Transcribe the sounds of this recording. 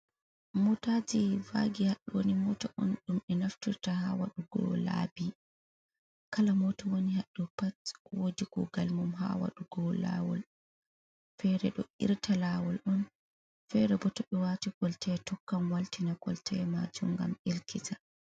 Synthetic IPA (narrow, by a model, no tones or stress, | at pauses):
mutad͡ʒivaɡihaɗːuwonimɔtɔʔɔnɗumɛnaftiɾtahawaɗuɡɔ̰la̰bi | kalamɔtɔwonihaɗːɔpatwodikɔ̰ɡalmumɦa̰wa̰ɗuɡɔla̰wɔ̰l | fɛɾɛɗɔ̰ḭɾtʰalawɔlɗɔn | fɛɾɛbɔtɔɓɛwaːtiɡɔltʰɛtɔkːamwaltinaɡɔ̰ltʰɛma̰d͡ʒumɡa̰miɾkʰita